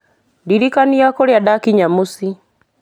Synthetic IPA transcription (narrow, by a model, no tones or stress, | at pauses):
diɾikaniakoɾeadakiɲamusi